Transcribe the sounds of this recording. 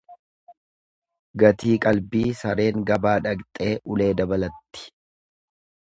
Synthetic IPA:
ɡɐt̪iːkʼɐlbiːsɐɾe̞ːŋɡɐbaːᶑɐkt̪ʼe̞ːʔʊle̞ːd̪ɐbɐlɐt̪ːɪ̥

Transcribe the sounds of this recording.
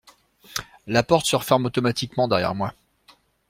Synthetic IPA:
lapɔʁt̪səʁəfɛʁmot̪ɔmat̪ikmɑ̃d̪ɛʁjɛ̰ʁmwa

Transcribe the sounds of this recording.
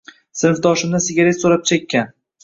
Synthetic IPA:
sɪnfd̪ɒʃɪmnɪsɪɡʲaɾet̪soɾap̚t͡ʃʰekʲʰːan

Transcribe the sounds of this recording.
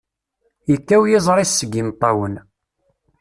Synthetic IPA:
jəkːæwjɪzˤɾˤisːəɡːimt̪ˤːɑwən

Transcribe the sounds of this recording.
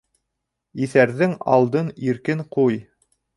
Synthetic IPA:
iθæɾðɘŋɑ̰lˠd̪ɤniɾkɘŋquj

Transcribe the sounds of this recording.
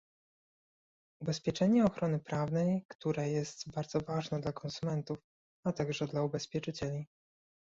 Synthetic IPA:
ubɛspʲjɛt͡ʂɛɲɛɔxɾɔnɘpɾavnɛjkt̪uɾɛjɛst̪baɾd̪zɔvaʐnɛd̪lakɔnsumɛnt̪uf | at̪aɡʐɛd̪laubɛspʲjɛt͡ʂɘt͡ɕɛlʲi

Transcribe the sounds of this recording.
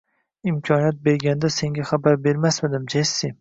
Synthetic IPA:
ɪmkʲʰɒnijat̪̚be̞ɾɡʲand̪ase̞ŋɡʲaχabaɾbe̞ɾmasmɪd̪ɪmd͡ʒajsɪ

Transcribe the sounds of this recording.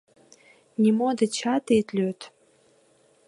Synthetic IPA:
nʲimod̪ɨt͡ɕʰat̪et̪ʼlʲøt̪ʰ

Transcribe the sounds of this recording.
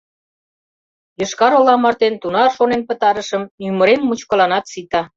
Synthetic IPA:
jəʃkɑɾolɑmɑrt̪ent̪unɑrʃonenpə̆t̪ɑɾə̆ʃəmymə̆ɾenmut͡ɕkə̆lɑnɑt̪sit̪ɑ

